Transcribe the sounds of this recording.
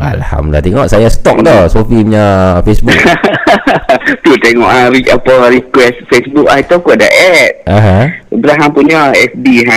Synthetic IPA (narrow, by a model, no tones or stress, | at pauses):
a̰lha̰mdlat̪eŋɔʔsajast̪ɔk̚d̪ɔsofimɲafesbk | t̪ut̪eŋɔʔaɾiapəɾikwɛstfesbuk̚ait̪ɔkuda̰ʔɛt̪̚aɦãəbəɾaɦampuɲaɛsdiɦa